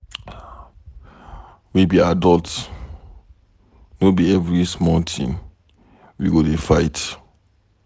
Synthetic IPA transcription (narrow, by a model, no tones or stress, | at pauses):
wibiadɔlt | nobiɛvɹismɔ̃ntʰḭ̃n | wiɡodefaɪt